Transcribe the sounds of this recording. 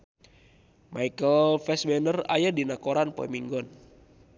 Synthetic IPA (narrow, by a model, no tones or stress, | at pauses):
mʔaikəlfɛsbɛnəra̰jadinakoɾanpɔ̰imiŋɡɔn